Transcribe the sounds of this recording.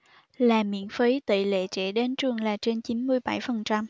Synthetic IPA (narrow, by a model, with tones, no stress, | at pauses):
laː˨˩mḭ˧˥ənfi˨˦jt̪ḭ˧˨lḛ˧˨˥t͡ɕɛ̰˧˥ɗe˧nt͡ɕɨ˨˩əŋlaː˨˩t͡ɕe˧nt͡ɕi˨˦nmɨ˧əjɓa˧˩jfə˨˩nt͡ɕa˧m